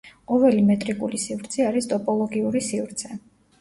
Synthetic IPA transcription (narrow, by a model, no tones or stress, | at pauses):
ɔvɛlimɛt̪ʼɾikʼulisivɾt̪sʰɛaɾist̪ʼɔpʼɔlˠɔɡiuɾisivɾt̪sʰɛ